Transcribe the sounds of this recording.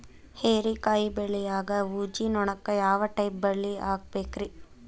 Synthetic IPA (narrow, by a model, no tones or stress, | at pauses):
heːɾikaːjibeɭːijaːɡɐuːd͡ʒinɔɳɐkːɐjaːʋɐʈɐjp̚bɐɭːiaːɡ̚beːkɾi